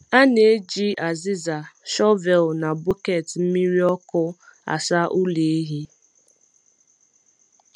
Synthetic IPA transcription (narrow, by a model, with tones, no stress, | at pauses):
a˦ne˨e˦d͡ʒi˦ʔa˨zi˦za˨ʃɔ˦vɛ˨lna˨bu˦ke˨tm̩˦mi˦ɾi˦ɔ˦kʊ˦a̰˨sa˦ʔu˦le˨˦ɦi˦